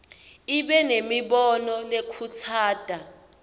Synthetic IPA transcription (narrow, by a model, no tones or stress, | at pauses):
iɓɛnemiɓɔnɔlekʰutʰaːd̥ʱa